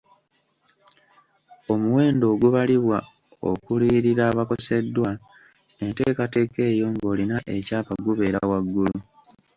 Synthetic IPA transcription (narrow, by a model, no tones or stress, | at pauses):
o̞muwe̞ːndo̞ːɡuβaliβwa | o̞̰kuliːɾiɾaːβako̞se̞dːwa | e̞nte̞ːkate̞ke̞ːjo̞ŋɡo̞ːlinaʔe̞caːpaɡuβe̞ːɾawaɡːulu